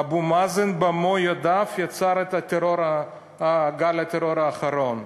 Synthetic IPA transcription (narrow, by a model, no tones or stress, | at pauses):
abumazenbamojad̪afjat͡saɾet̪at̪eɾoɾa | ɡalat̪eɾoɾaːχɐɾo̞n